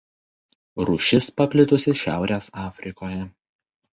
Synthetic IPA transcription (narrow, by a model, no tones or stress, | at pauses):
ɾuːʃʲɪspɐpʲlʲɪt̪ʊsʲɪʃʲæ̰ˑʊɾʲeːsɑːfʲɾʲɪkoːjɛ